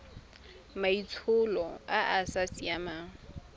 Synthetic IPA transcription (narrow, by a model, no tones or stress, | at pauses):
mait͡sʰʊlɔaʔasasijamaːŋ̩